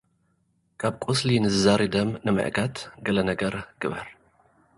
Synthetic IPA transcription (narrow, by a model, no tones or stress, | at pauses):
kʰabkʷʼɨslinɨzɨzaɾid̪ɐmnɨmɨ̰ʔɡat̪ɡɐlɐnɐɡɐɾɡ̥ɨβɐɾ